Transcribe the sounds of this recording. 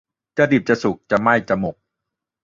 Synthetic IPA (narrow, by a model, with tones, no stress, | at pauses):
t͡ɕa˨˧di˨˩p̚t͡ɕa˨˧˩su˨˩k̚t͡ɕa˨˩ma˥˩jt͡ɕa˨˩mo˨˩k̚